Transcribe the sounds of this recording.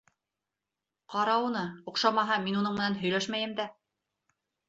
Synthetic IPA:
qɑɾɑunɤuqʃɑmɑɦɑminunɤɴmɘ̆nænɦɵ̆jlæʃmæjɘ̆md̪æ

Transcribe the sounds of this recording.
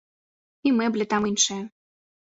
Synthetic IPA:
imeblʲet̪ɑmɯnʲʃe

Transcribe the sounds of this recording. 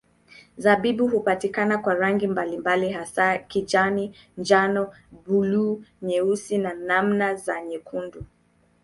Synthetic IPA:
zabibuhupatikanakwaɾaŋɡimbalimbaliɦasakid͡ʒanind͡ʒanɔ | buluɲɛusinanamnazaɲɛkʰundu

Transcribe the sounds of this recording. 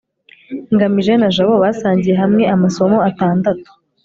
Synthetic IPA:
ŋɡamiʒe̞naʒaβo̞βaːsaːɲɟije̞ɦamŋe̞amaso̞mo̞ataːndato̥

